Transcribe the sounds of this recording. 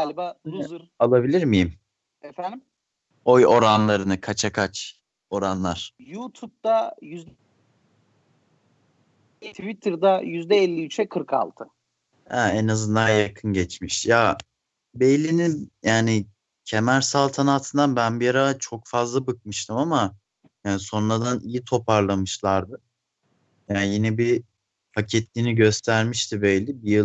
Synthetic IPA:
alʲbaɾalˠabilʲiɾmijim | ɛfænd̪im | ojo̞ɾanlˠaɾɯnɯkʰat͡ʃʰakʰat͡ʃ | o̞ɾanlˠaɾ̥jut̪ʰup̚t̪ajyzd̪ | t̪ʰvit̪ʰɯɾd̪ajyzd̪ɛɛlʲːiyt͡ʃʰɛkʰɯɾkʰa̰lˠt̪ʰɯ | hɛɛnazɯnd̪ajakʰɯnɟɛt͡ʃmiʃja | bejlʲininjaːnɪ | cʰemæɾsalˠt̪ʰanat̪ʰɯnd̪anbænbijaɾat͡ʃʰo̞kfazlˠabɯk̚mɯʃt̪ʰɯmama | jaːnso̞nlad̪anijit̪ʰo̞pʰaɾlˠamɯʃlˠaɾd̪ɯ | jajinɛbi | facʰɛt̪ʰlʲiniɟø̞st̪ʰæɾmiʃt̪ʰibɛjlʲibijɯ

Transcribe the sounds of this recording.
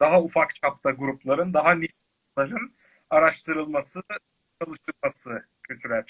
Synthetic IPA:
d̪̥aɦaufakt͡ʃʰap̚t̪ʰaɡuɾuplˠaɾɯnd̪aɦanʲit̪ | lˠaɾɯn | aɾaʃt̪ʰɯɾɯlˠmasɯ | t͡ʃʰalˠɯʃt̪ʰɯɾˠmasɯ | cʰyt̪ʰylɛt̪

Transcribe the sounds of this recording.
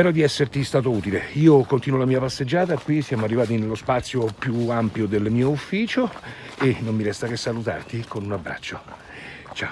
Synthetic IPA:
ɛːɾod̪iɛsːert̪ist̪aːt̪̬ouːt̪ileiːokont̪iːnwolamiːapasːed͡ʒːaːt̪akwisjaːmoarːivaːt̪̬inelːospat̪sːjopjuampjod̪elːmiːoufːiːt͡ʃoenomːiɾɛst̪akesːalut̪a̰rt̪ikonunabːɾa̰t͡ʃːo | t͡ʃa

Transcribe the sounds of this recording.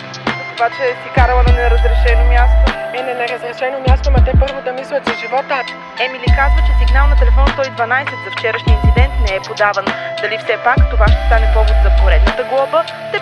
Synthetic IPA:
obat͡ʃɛsikaɾəlˠənɐnɛɾəzɾɛʃɛnomjast̪omɛnɛnɛɾəzɾɛʃɛnomʲjast̪omɐt̪ɛpɤɾvod̪ɐmislʲɐt̪zɐʒivɔt̪ə | ɛmilikazvət͡ʃɛsiɡnalˠnɐt̪ɛlɛfɔnst̪ɔid̪vɐnajsɛt̪zɐft͡ʃɛɾəʃniːnt̪sid̪ɛnt̪nɛɛpod̪avənd̪ɐlifsɛpakt̪ovaʃt̪ɛ̥st̪anɛpɔvlɛt̪zɐpoɾɛd̪nət̪əɡlˠɔbə | t̪ɛ

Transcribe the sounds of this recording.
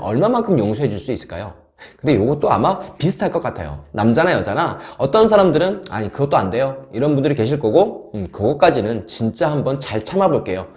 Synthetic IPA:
ʔʌɭmamaŋkʰɯmjoŋsʰuɦed͡ʑuɭs͈uis͈ɯ̥ɭk͈a̰jo | kɯndejoɡʌt͈oa̰mapisʰɯ̥tʰaɭk͈ʌk͈atʰa̰jo̰namd͡ʑanajʌ̰d͡ʑanaʌt͈ʌnsʰaɾamdɯɾɯna̰ɲikɯɡʌt͈oande̞joiɾʌnbundɯɾike̞ɕ̬ʰiɭk͈ʌɡokɯɡʌk͈ad͡ʑinɯnt͡ɕint͡ɕ͈ahambʌnt͡ɕaɭt͡ɕʰamaboɭk͈e̞jo

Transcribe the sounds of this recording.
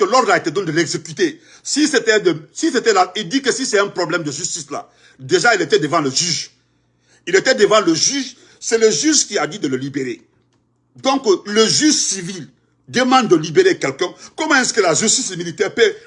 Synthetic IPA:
kəlɔd̪laet̪ɛd̪ɔ̃nd̪əlɛɡzekyt̪e | siset̪ɛdəsiset̪ɛlaild̪ikəsisɛɛ̃pɾɔblɛmd̪əʒyst̪isla̰ | d̪eʒailet̪ɛd̪əvãləʒyʒ | ilet̪ɛd̪əvãləʒyʒ | sɛləʒyʒkiad̪id̪ələlibeʁe | d̪ɔ̃kləʒyʒsivil | d̪əmɑ̃d̪̚d̪ːəlibeʁekɛlkɛ̃kɔmãɛskəlaʒyst̪ismilit̪ɛʁpe

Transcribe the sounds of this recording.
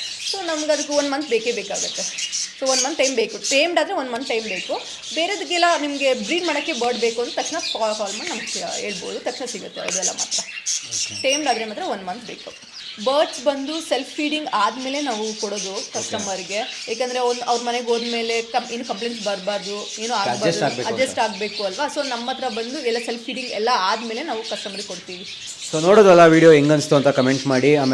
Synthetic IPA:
so̞ːnɐmɐɡɐd̪ukːeond̪mɐnt̪beːkebeːkaːɡɐt̪ːe̞soːondmɐnt̪ʈɐjmbeːkuʈejmɖaːd̪ɾe̞ond̪mɐnt̪ʈɐjmbe̞ːku | beːɾeod̪ikːɛlːɐnimɐɡe̞bɾiːɖmaːɽɐkːe̞bɐːɾɖbeːkuɐnd̪ut̪ɐkʂɳɐkaːkaːlmɐɳnɐmɐst̪ʰa̰eːɭbo̰ːd̪ut̪ɐkʂɳɐsiɡɐt̪ːeɐ̰ʋd̪ɛlːɐ̰ma̰ːt̪ɾɐ | ʈejmɖaːd̪ɐɾemaːd̪ɾeond̪mɐnt̪̚ʰbeːku | bɐːɾʈsbɐnd̪uselpʰfiːɖiŋɡaːd̪me̞ːle̞naːʋukoɽo̞ːd̪ukɐʂʈɐmɐɾiɡe̞jeːk̬eɐnd̪ɐɾeond̪ɐʋɾmɐneɡo̞ːd̪me̞ːle̞kɐmeːnukɐmpleːɳʈsbɐɾbaːɾd̪u | e̞ːnuaːbaːsd̪ɡeɐd͡ʒɐsʈaːɡ̚be̞ːkuɐlʋɐso̞ːnɐmːɐt̪ɐɾɐbɐnd̪uɛlːɐselpʰfiːɖiŋɡɛlːɐaːd̪me̞ːlenaːʋukɐʂʈɐmɐɾiɡekoɽt̪iːʋi | soːnoːɽod̪uɛlːɐʋiːɽijoeŋɡɐnst̪uɐnt̪ɐkɐmeɳʈmaːɽiaːm

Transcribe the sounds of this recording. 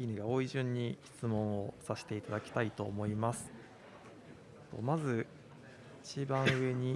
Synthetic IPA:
inɯɡao̞ːiʑɨ̃ɲ̟ːiçi̥t͡sɨmõ̞ɰ̃o̞saɕi̥t̪e̞it̪ad̪akʲi̥t̪ait̪o̞̰ːmo̞imasɨ̥ | t̪o̰mazɨ | it͡ɕibãɰ̃ɯ̟e̞ɲ̟i

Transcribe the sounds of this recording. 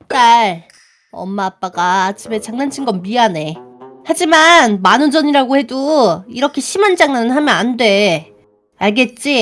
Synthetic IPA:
t͈aɭ | ʌ̰mːaːp͈aɡat͡ɕʰime̞t͡ɕaŋnant͡ɕʰinɡʌnbiane̞had͡ʑimanmanɯnd͡ʑʌɲiɾaɡohe̞doiɾʌkʰe̞ɕʰimand͡ʑaŋnanɯnɦamjʌnandwe̞ | aɭɡe̞t̚t͡ɕ͈i

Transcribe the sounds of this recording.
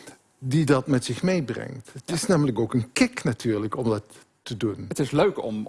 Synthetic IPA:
didɑtmɛtsɪχmejbrɛ̰ŋtətɪsnaːmələkowkənkɪknatyːɹləkɔmdɑtː | ədunətɪsløɥkɔ̰m

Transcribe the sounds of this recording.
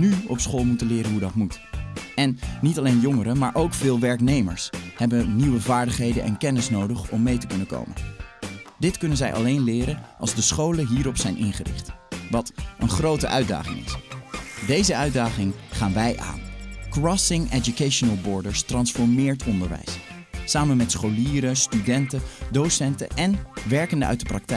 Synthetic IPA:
nyɔ̰psχoːlˠmutənlɪːɾənɦudɑtmut | ɛnːitɑlejnjɔŋəɾəmaːɹʔowkfɪːlˠʋɛɹknejmə̰ɹshɛbəniwəvaːɹdəχɦejdənʔɛ̰nkɛnɪsnowdəχɔmːejtə̥kɵnəko̰wmə̰n | dɪtkɵnənzɛjʔɑ̰lejnlɪːɾənɑlˠzdəsχowləɦiːɾɔpsɛjnʔɪnχərɪ̰χtʋɑtʔənχrowtə̰ʔœɥda̰ːχɪ̰ŋɪ̰s | dejzəœɥdaːχɪŋχaːnʋɛjʔa̰ːnkrɑsɪŋɛd͡ʒukejʃonəlˠbɔɹdəɹstrɑnsfɔɹmɪːɹtɔndəɹʋɛ̰jsː | aːmənmɛtsχoliːɾəstydɛntədowsɛntə̰ʔɛnʋɛɹkəndəʔœ̰ɥt̚dəprɑk̚tɛ

